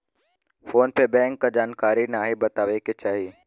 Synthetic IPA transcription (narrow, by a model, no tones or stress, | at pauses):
foːnpebɛ̃ːŋkːad͡ʒaːnkaːɾinaɦibɐt̪aːʋeket͡ʃaːɦieː